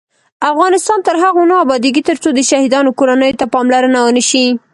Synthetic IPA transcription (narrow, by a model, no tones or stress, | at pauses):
afɣɑnɪst̪ɑnt̪əɾɦaɣonəabɑd̪iɡit̪əɾt͡sod̪əʃahid̪ɑnokoɾanəjot̪apɑmlaɾənawənəʃi